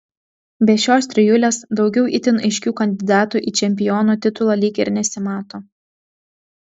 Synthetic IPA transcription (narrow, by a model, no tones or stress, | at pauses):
bʲɛʃʲoːsʲt̪ʲɾʲɪjuːlʲeːsd̪ɒʊɡʲɛʊʔit̪ʲɪnɐɪʃʲkʲuːkɐnʲd̪ʲɪd̪ɑːt̪uʔiːt͡ʃʲɛmʲpʲɪjɔːnuːt̪ʲɪt̪ʊlˠɑlʲiːkʲɪɾnʲɛsʲɪmɑːt̪oː